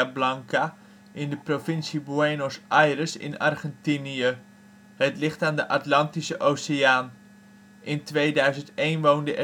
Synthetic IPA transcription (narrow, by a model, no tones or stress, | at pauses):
ablɑŋka | ʔɪndəprofɪnsibuenosajrəsɪ̰nɑ̰rχɛntiniə | ɦətlɪχtaːndəʔatlɑntisəʔowsiaːn | ʔɪntʋejdœɥzəntejnʋowndəʔɛ